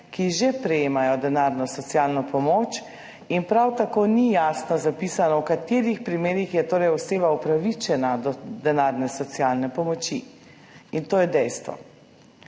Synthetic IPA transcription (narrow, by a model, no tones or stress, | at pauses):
kiʒɛpɾɛjeːmajɔd̪ɛnaɾnɔsɔt̪sijaːlnɔpɔmoːt͡ʃ | inpɾawt̪akoːnijaːsnɔzapisanɔwkat̪eːɾixpɾimeːɾixjɛt̪oːɾɛjɔseːbaupɾaʋit͡ʃɛnad̪ɔd̪ɛnaɾnɛsɔt̪sialnɛpɔmɔt͡ʃi | int̪oːjɛd̪ɛjst̪ʋɔ̰